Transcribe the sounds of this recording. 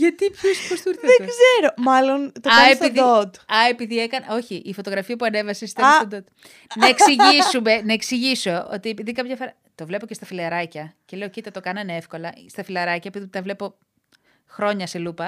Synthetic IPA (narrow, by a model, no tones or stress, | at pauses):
ʝɐt̪iposost̪ɾðeɡɡzeɾomɐlo̞nt̪oɐept̪ioðot̪ɐepiðiekɐno̞çiʔifot̪o̞ɣɾɐfiɐpuɐnevɐsest̪eod̪ot̪̚ | nɐekssiʝisume̞nɐeksiʝiso̞o̰t̪iepiðikɐpʝɐfoɾɐ | t̪o̞vle̞po̞ce̞st̪ɐfilɐɾɐcɐce̞le̞ocit̪ɐt̪o̞kɐnɐnee̞fko̞lɐst̪ɐfilɐɾɐcɐepiðipt̪ɐvle̞po̞ | xɾo̞ɲɐse̞lupɐ